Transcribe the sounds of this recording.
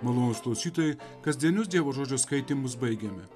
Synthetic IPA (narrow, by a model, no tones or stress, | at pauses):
mɐlˠoːnʊsklˠɐʊsʲiːt̪oːjɛɪ | kɐzʲd̪ʲiɛnʲʊsd̪ʲiɛʋoːʒoːd͡ʒʲoskɐɪt̪ʲimʊsbɐɪɡʲɛmʲɪ̰